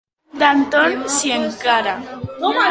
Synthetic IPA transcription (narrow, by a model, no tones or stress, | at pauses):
d̪ant̪onsjeŋkaɾa